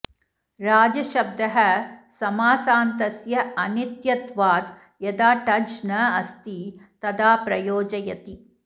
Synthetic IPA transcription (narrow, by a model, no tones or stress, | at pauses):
ɾaːd͡ʒɐʃɐb̚d̪ɐɦɐsɐmaːsaːnt̪ɐsjɐɐnit̪jɐt̪ʋaːd̪ | jɐd̪aːʈɐd͡ʒnɐɐst̪it̪ɐd̪aːpɾɐjoːd͡ʒɐjɐt̪i